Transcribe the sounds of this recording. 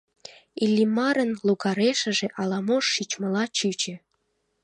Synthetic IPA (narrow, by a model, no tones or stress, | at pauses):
ilʲːimɑɾə̆nluɣɑɾeʃə̆ʒeʔɑlɑmoʃːit͡ɕmə̆lɑt͡ɕyt͡ɕĕ